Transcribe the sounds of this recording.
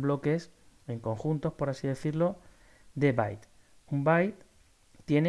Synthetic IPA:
βlo̞ke̞se̞ŋko̞ŋxunt̪o̞spo̞ɾasiðe̞θiɾlo̞ | d̪e̞βa̰jt̪ | umbajt̪ | t̪ːje̞ne

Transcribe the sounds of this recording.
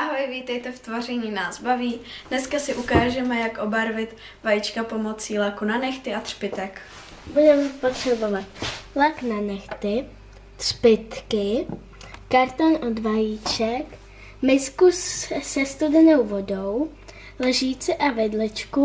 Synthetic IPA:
ʔaɦojviːt̪ɛjt̪ɛft̪varɛɲiːnaːzbaviːdnɛskasɪʔukaːʒɛmɛjakʔo̞baɾvɪt̪ | vajit͡ʃkapo̞mo̞t͡siːlakunanɛxt̪ɪat̪r̥pɪt̪ɛk | budɛmɛpot̪r̥ɛbo̞vat̪̚laknanɛxt̪ɪ | t̪r̥pɪt̪kɪ | kaɾt̪onʔod̪vajit͡ʃɛk | mɪskussɛst̪udɛno̞wvo̞do̞w | lɛʒiːt͡sɛʔavɪdlɛt͡ʃku

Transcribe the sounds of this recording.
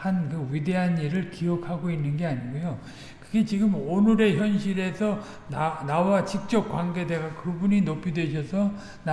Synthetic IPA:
hankɯɥide̞ɦaniɾɯɭkiɦʌkʰaɡoinːɯnɡe̞aɲiɡojo | kɯɡe̞t͡ɕiɡɯmonɯɾe̞çjʌnɕʰiɾe̞sʰʌ | anawat͡ɕik̚t͡ɕ͈ʌp̚k͈waŋɡe̞de̞ɡakɯbuɲinop͈ʰudwe̞ɕʰʌsʰʌ | na

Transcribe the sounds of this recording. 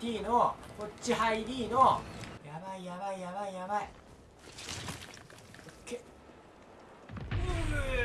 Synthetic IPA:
iːno̞kot͡ɕt͡ɕːiɦaid̪ʲiːno̞jabaijabaijabaijabai | okːe

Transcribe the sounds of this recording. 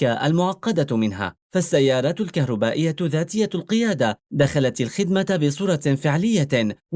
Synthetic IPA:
kaʔa̰lmʊʕɑqːɑd̪amɪnɦa̰ː | fasːajːɑːɾˤɑːt̪ʊlkahɾˤɑbaːʔɪjːat̪ðaːt̪ɪjːalqɨjaːd̪ad̪axalat̪alxɪd̪mat̪bɪsˤuːɾˤɑfɪʕlɪjːa

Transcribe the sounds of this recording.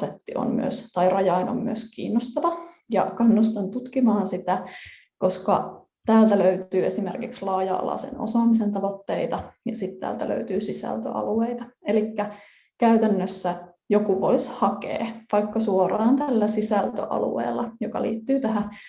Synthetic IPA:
set̪ːiʔo̰nmy̰ø̰st̪ɑirɑjɑino̰mmyøskḭːnːost̪ɑʋɑ | jɑkɑnːust̪ɑnt̪ut̪kimɑːnsit̪æ | koskɑ̰ | t̪æːlt̪æløyt̪yːesimerkikslɑːjɑ̰ɑ̰lɑ̰sḛno̰sɑːmisent̪ɑʋot̪ːeit̪ɑjɑsit̪t̪æ̰ːlt̪ælø̰yt̪yːsisæ̰lt̪ø̰ʔɑ̰lueit̪ɑelikːæ | kæyt̪ænːøsːæ | jokuʋo̞ishɑkḛːʋɑikːɑsuorɑːnt̪ælːæsisælt̪ø̰ʔɑ̰lṵḛːlːɑjokɑ̰lḭːt̪ːyːt̪æhæ

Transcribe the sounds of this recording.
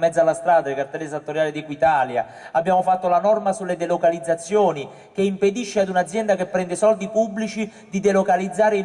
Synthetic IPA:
mɛd̪zːalːast̪ɾaːd̪aelkart̪ɛlːes̬at̪ːoɾjaːlɪd̪ikwit̪aːlja̰ | abːjaːmofat̪ːolanɔrmasulːed̪elokalid̪zːat̪sːjoːni | keimped̪iʃːead̪unad̪zːjɛnd̪akepːɾɛnd̪ɪsɔld̪ipubːlit͡ʃi | d̪id̪elokalid̪zːaːɾe

